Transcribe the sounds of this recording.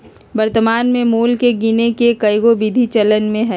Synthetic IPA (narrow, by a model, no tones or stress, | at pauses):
bɐɾt̪əmaːnmẽmuːlkeɡinekekɐɪɡobɪd̪ʱit͡ʃələnmẽɦɛː